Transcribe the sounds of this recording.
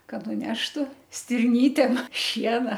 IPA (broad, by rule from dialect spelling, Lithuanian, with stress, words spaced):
kɐt nʊˈnʲæːʃtʊ sʲtʲɪrʲˈnʲiːtʲeːm ˈʃʲiɛnɐ